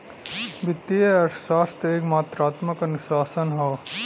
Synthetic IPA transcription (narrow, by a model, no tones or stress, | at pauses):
bɪt̪ːieɐʈsaːst̪eːkmaːt̪ɾaːt̪məkɐnʊʃaːsənɦoː